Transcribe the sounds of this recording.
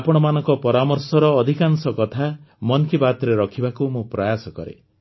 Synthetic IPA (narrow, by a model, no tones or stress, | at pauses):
apɔɽ̃ɔmanɔŋkɔpɔɾamɔɾsɔɾɔːd̪ʱikansɔkɔt̪ʰamɔnkibat̪ɾeɾɔkʰibakumũpɾajasɔkɔ̰ɾḛ